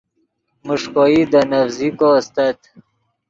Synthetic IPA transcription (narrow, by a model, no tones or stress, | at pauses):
muʂkoid̪ənafzikoːst̪at̪